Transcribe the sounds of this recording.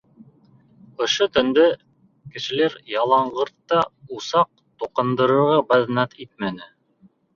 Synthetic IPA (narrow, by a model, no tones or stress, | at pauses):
ŏʃot̪ɵ̆nd̪ɘ | kɘ̆ʃɘ̆læɾjɑlˠɑɴɢɤɾt̪ːɑusɑq̚ | t̪uqɤ̆nd̪ɤ̆ɾɤ̆ɾʁɑbɑðnɑt̪it̪̚mænɘ